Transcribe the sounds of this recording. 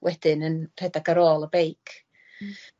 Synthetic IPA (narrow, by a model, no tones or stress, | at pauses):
wʔɛd̥ɪnənr̥ɛdaɡəɾoːlˠəbejkʰ